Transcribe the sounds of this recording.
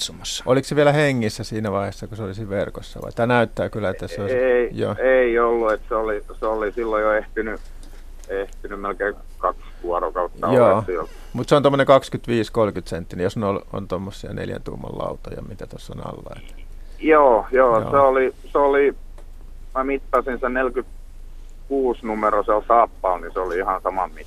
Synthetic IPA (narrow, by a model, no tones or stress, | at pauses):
sumosːɑ̥ʔolikseʋiælæheŋːisːæsiːnæʋɑihesːɑkuseolisiːʋʋerkosːɑ̰ʋɑ̰it̪ːæːnæyt̪ːæːkylːæet̪ːæseoieijo̰ːeiolːuet̪seoliseolisilːojoeht̪iny | eht̪inymmelkeː | kɑkskuɑrokɑut̪ːɑjoːiol | mut̪seont̪omːoneŋkɑkskyt̪ʋiːskolkyt̪sent̪ːinijosneolo̰nt̪omːosːiɑnḛljæ̰nt̪ṵːmːo̰llɑ̰ut̪ɑjɑ̰mit̪æt̪osːo̰nɑ̰lːɑ̰ḛt̪ | joːjo̰ːseoliseoli | mæmit̪ːɑsinsennelkyt̪ | kuːsnumeroselsɑːpːɑːlniseoliihɑnsɑmɑmmit̪ː